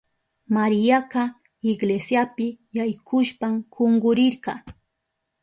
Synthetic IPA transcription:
maɾɪjaqɑ | ɪɡlesjapɪjajkʰʊʃpamkoŋɢʊɾɪɾɢɑ̰

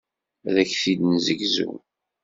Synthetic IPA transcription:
ðæçθid̪nzəɡzṵ

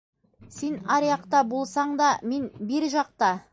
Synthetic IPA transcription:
se̞nɑɾjɑqt̪ɑbolˠsɑɴd̪ɑme̞nbeɾʒɑq̚t̪ɑ

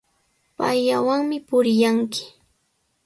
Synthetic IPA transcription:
pajːawaŋmɪpʊɾɪjaŋkɪ̥

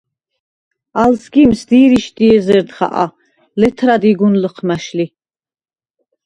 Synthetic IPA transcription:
alsɡimsd̪iɾiʃd̪iɛzɛɾd̪χa̰ʔa̰ | lɛt̪ʰɾad̪iɡunləqʰmaʃli

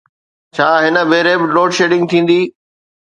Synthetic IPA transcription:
t͡ɕʰaːɦɪnə̆bʱeːɾebɪloːʈʃeːɖɪ̃ŋɡ̚t̪ʰĩːn̆d̪iː

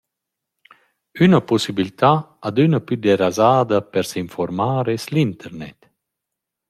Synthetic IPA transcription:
ynəpɔsibilit̪aad̪ynəpyd̪eɾazaːd̪ɐpɛɾsiɱfɔɾmaːɾeslint̪ʰɛɾnɛ̰t̪

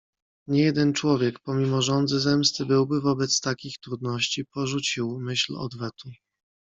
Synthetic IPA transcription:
ɲɛjɛd̪ɛnt͡ʂwɔvʲjɛkpɔmʲimɔʐɔnd̪zɘzɛmst̪ɘbɘwbɘvɔbɛt̪st̪akʲixt̪ɾud̪nɔɕt͡ɕipɔʐut͡ɕiwmɘɕlɔ̰d̪vɛt̪u

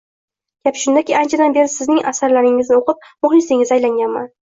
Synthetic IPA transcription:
ɡ̥ʲapʃʊnd̪akʲiant͡ʃʰad̪anbe̞ɾɪsɪznɪŋʔasaɾlaɾɪŋɪznɪoqɨp̚mʊχlɪsɪŋɪzajlaŋɡʲanma̰n

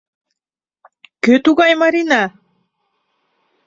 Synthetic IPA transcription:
køt̪uɣɑjmaɾinɑ

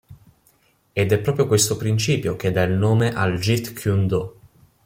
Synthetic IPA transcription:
ed̪ɛpːɾɔːpɾjokwest̪opɾint͡ʃiːpjok̟ed̪ailnoːmeʔald͡ʒit̪kʰjund̪o

